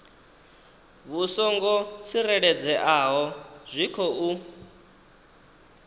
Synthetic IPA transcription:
βusɔŋɡɔt͡sʰiɾɛɺɛd͡zɛʔaɦɔz̥ʷikʰɔʔu

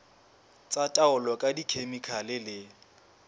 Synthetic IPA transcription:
t͡sʼatʼaʊlɔkʼadikʰemikʰalɪlɪ

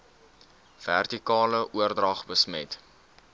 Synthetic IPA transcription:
v̥ærtikɑːləʔuərdrɐχbəsmɛ̰t

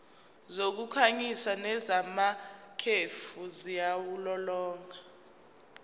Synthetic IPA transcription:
zok̬ukʰaɲisanɛzamakʰefuzijawulɔlɔːŋʱa

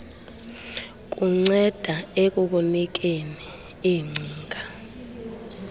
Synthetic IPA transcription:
k̬ʼuŋ͡ǀɛd̥ʱaek̬ʼuɓunik̬ʼeni | iŋ͡ǀʱiːŋɡʱa

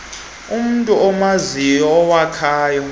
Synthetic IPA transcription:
um̩ntʼuɔmazijɔːwakʰaːjɔ

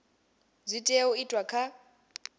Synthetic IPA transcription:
zʷitʼeuitʼwakʰa

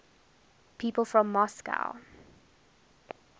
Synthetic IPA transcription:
pʰiːpəlˠfɹɔ̃mːɔska̰ʊ

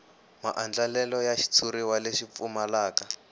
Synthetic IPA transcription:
ma̰ʔand͡ɮalɛlɔjaʃi̥t͡sʰuɾiwaleʃip̪fumalaːka

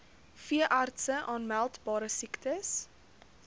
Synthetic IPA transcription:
fiəʔɑːrtsəʔɑːnmælˠtbɑːɾəsiktəs

